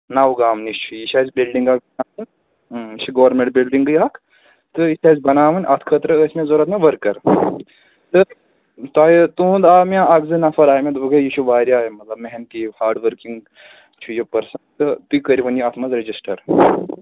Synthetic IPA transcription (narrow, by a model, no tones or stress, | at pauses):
naːʋuɡaːmnit͡ʃʰujiʃaːzbilɖiŋɡakɐnaːɨnʲ | t͡ʃʰiɡɐʋɐɾmẽɳʈ̚bilɖiŋɡɨjaːk | t̪ɨiʃaːzbɐnaːmɐnʲʔɐt̪ʰkʰət̪ɾɐəsʲmẽzoːɾɐt̪nɐʋɐɾkːɐɾ | t̪ɨ | t̪aːjit̪ũːnd̪aːmjãːɐɡzɨnafɐɾaːjmẽd̪bɨɡɐjiʃʰuʋaːɾjaːmɐt̪lɐbmeɦent̪ihaːɾɖʋəɾkiŋɡ | t͡ʃʰujipɐɾsɐnt̪ɨt̪ɨkəɾiʋɐnjiɐt̪ʰmɐzɾed͡ʒisʈɐɾ